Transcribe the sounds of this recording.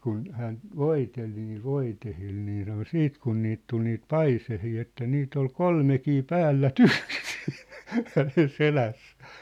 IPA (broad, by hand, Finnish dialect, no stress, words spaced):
kun hæːn ʋoitel niːl ʋoitehil niː sɑno siːt kun niːt tul niːt pɑisehiː etːæ niːt ol kolmekiː pæːlːætyksi̥ hænen selæsːæ̥ː